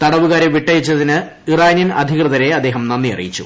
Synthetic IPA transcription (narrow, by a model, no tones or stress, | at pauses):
t̪ɐɽɐʋuɣaːɾeʋiʈːɐjit͡ɕːɐðinɨ | iraːjninɐd̪ʱikrɨðɐɾe̞ɐd̪ːe̞ːɦɐmnɐnːiɐ̰rḭjit͡ɕːṵ